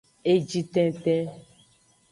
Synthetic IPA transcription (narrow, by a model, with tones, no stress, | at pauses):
e˦d͡ʒi˦t̪ɛ̃˦t̪ɛ̃˦